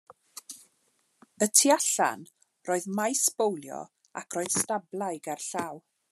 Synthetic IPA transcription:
ətʰiaɬa̰n | roːɨðmajspowlˠjɔ̰ | akʰrɔːɨðstablˠajɡarɬaːw

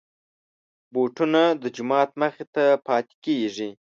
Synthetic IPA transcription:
boʈunad̪əd͡ʒʊmɑt̪məxet̪apʰɑːt̪e̥keʐi

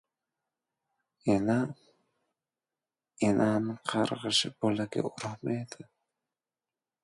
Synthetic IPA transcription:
ena | enʔamɪqʰɑɾʁɨʃɪbolaɡʲa̰ʊɾhmajd̪ɪ

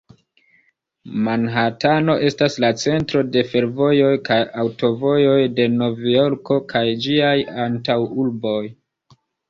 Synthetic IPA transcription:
manɦatano̞ʔe̞staslat͡se̞ntɾo̞de̞fe̞ɾvo̞jo̞jkajawto̞vo̞jo̞jde̞no̞vijo̞ɾko̞kʰajd͡ʒiajantawulbo̞j

